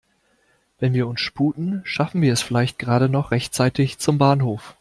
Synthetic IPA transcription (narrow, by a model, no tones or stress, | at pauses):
vɛnviːɐʊnsʃpuːtn̩ʃafn̩viːɐɛsfɪlaɪçt̚ɡ̥ʁaːɾənɔχʁ̥ɛçtt͡saɪtɪçt͡sʊmbaːnɦoːf